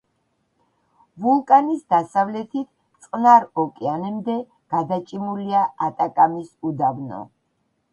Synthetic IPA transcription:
vulˠkʼanisd̪asavlɛt̪ʰit̪ʰ | t̪sʼnaɾɔkʼianɛmd̪ɛ | ɡ̥ad̪at͡ʃʼimuliaat̪ʼakʼamisud̪avnɔ̰

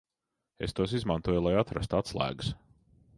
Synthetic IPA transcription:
est̪uɔsizmant̪uɔjulˠajat̪ɾast̪uat̪slˠæ̰ːɡɨs

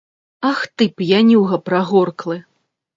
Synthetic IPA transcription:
axt̪ɨpjanʲuɣɐpɾaɣɔrklˠɨ

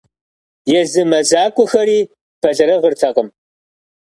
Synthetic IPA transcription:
jɛzɨmɐzaːkʷʼʊxɐɾiː | pʰɐɮɐɾɐʁərtʰɐqəm

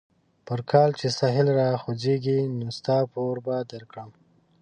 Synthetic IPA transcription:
pəɾkʰɑlt͡ʃesɑɦɪlɾɑxozeɡinost̪ɑpoɾbad̪aɾkɽəm

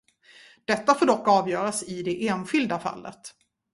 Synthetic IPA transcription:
d̪̥ɛt̪ːafoːɖɔkːɑːvjœːɾasɪd̪ɛʔeːnɧʏld̪afa̰lːə̰t̪

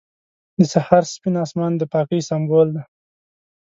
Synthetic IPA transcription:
d̪əsahaɾspinɑːsmɑnd̪əpɑːkəjsambold̪a

